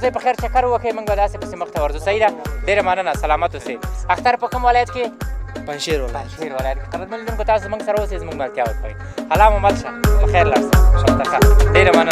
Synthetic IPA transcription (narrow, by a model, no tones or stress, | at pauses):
zəjpəxaɾt͡ʃakaɾwəkʰəemʊɡbad̪ɑsepə̥seməxt̪awaɾzusaid̪aɖeɾamanənasalɑmat̪oseaxt̪aɾpəkəmwɪlɑjat̪kepanʃeɾwonʃeɾwalajat̪̚keqad̪ɾat̪manled̪unkot̪ɑsozmuŋɡsaɾaosezmuɡmalt̪jɑwəkʰawḭ | halɑmʊmalʃapəxaɾlaɽsaʃat̪axaɖeɾaman